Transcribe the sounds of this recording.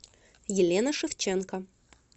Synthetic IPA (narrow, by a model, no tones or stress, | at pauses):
jɪlʲenəʂɨft͡ɕenkə